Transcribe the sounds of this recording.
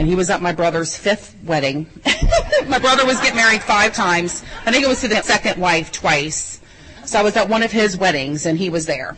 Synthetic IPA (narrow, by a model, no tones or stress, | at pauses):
ɨ̃niwʌzʌt̚maɪbɹʌðə˞z̥fɪθ | wɛɾɪ̃ŋ | maɪbɹʌðə˞wʌzɡɛt̚mɛɹid̥faɪv̥tʰãɪ̃mz̥̃ðɨ̃ɡoʊʌz̥tʰɨðɨsɛkɨ̃nʔwaɪftʰw̥aɪs | soʊaɪwʌzət̚wʌ̃ñʌv̥ɪzwɛɾɪ̃ŋzɨ̃niwʌzðə˞